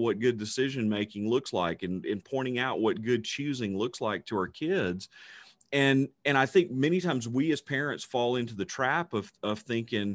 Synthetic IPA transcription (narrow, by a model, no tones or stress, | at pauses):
wʌt̚ɡ̥ʊdɨsɪʒɨ̃nmeɪkɪ̃ŋlʊksla̰ɪkɨ̃nɨ̃npʰɔ̃ɪ̃ɾ̃ɪ̃ŋaʊʔ̚wʔʌt̚ɡ̥ʊd̚t͡ʃʰʉzɪ̃ŋlʊkslaɪk̚tʰəə˞kʰɪdz̥ | ɨ̃nɨ̃ɾ̃aɪθɪ̃ŋk̚mɛñitʰãɪ̃mzwiɨz̥pʰɛɹɨ̃ntsfɔlˠɪ̃ntʉðɨtʰɹ̥æpʌv̥ʌv̥θɪ̃ŋkɪ̃ŋ